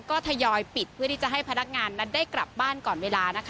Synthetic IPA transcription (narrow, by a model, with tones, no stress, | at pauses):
kɔː˥˩t̪ʰa˧jɔː˧jpi˨˩t̪̚pʰɯ˥˩t̪i˥˩t͡ɕa˨˩ɦa˥˩jpʰa˧na˦˥k̚ŋaː˧nːa˦˥ndaː˥˩kɾa˨˩p̚baː˥˩nkɔː˨˩nweː˧laː˧na˦˥kʰa˦